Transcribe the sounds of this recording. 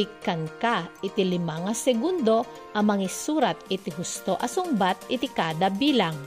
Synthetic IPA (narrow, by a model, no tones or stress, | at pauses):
ɪkankaʔɪt̪ɪlɪmaŋasɛɡund̪o̞ | ʔɐmɐŋɪsuːɾat̪ɪt̪ɪɦʊst̪oʔɐsʊŋbat̪̚ʔɪt̪ɪkaːd̪ɐbiːlaŋ